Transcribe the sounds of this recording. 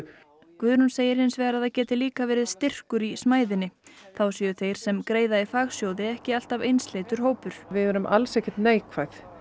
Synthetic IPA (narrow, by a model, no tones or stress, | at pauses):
kvʏðɾunseːjɪɾhɪnsvɛːɣɾaðθacɛːt̪ɪliːkavɛːɾɪðst̪ɪr̥kʏɾismaːjðɪnːɪθawsiːʏθejɾ̥sɛmkɾeːjðaifaːɣsjowðɪɛhcɪal̥t̪avejnslejt̪ʏɾ̥hoːwpʏɾ̥vɪðɛːɾʏmʔa̰lsɛhcɪ̥t̪neːjkvajθ